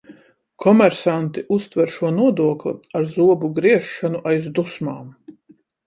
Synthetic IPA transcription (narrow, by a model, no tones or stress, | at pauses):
kʰɔmɛɾsant̪iʔust̪vɛɾʃuɔnuɔd̪uɔklʲḭaɾzuɔbuɡɾiɛʃːanuʔajzd̪usmaːm